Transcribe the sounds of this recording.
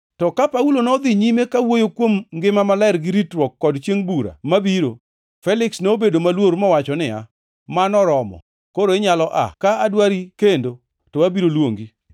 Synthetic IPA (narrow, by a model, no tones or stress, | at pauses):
tɔkapaulonɔd̪ɪɲimekawojokwomŋɡɪmamalaɪrɡɪɾitɾwɔkːɔdt͡ʃjeŋbuɾa̰mabiɾo̰ | fɛlɪksnobedomalwoɾmɔwat͡ʃɔnɪa̰ | manɔɾɔmɔ̰ | koɾoeɲalɔʔa̰kaadwaɾikendo | tɔwabiɾolwoŋɡi